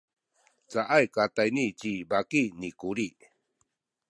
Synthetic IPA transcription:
t͡saʔajkatajnit͡ɕibakinikuɾi

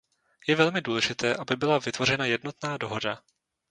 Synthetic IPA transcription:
jɛvɛlmɪduːlɛʒɪt̪ɛːʔabɪbɪlavɪt̪vo̞r̝ɛnajɛdno̞t̪naːdo̞ɦo̞da

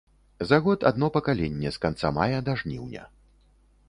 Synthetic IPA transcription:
zaɣɔt̪a̰d̪nɔpɐkalʲenʲːɛskant̪samajɐd̪aʐnʲiwnʲɐ̰

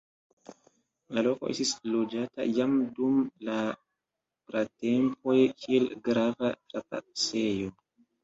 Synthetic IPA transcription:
lalo̞ko̞ʔe̞stislo̞d͡ʒata̰jamdumla | pɾate̞mpo̞jkʰielɡɾavatɾapa̰se̞jo̞

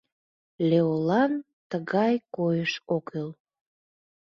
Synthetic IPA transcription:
leolɑn | t̪əɣɑjkojəʃokel

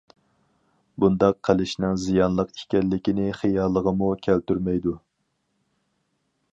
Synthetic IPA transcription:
bund̪ɑqʰːəlɪʃnɪŋzijɑnlˠəqi̥kʲɛlːɪkʲinɪχijɑːlˠːəʁəmukʲʰælt̪yɾmɛjd̪u

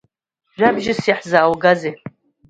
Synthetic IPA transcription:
ʒʷᶣabʒɪsiħzaːwɡazej

